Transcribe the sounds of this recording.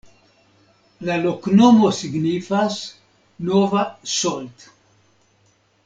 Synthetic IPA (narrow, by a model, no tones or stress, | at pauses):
laloknomosiɡnifas | novasolt̪